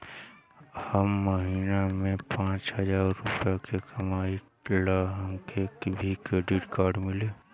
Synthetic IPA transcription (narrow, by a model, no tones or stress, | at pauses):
həmːəɦiːnamẽpãːt͡ʃɦəd͡ʒaːɾːʊpjakʰekʰɐmaːi | laɦəŋkʰekbʱikɾeɖɪʈkaːɾɖmɪleː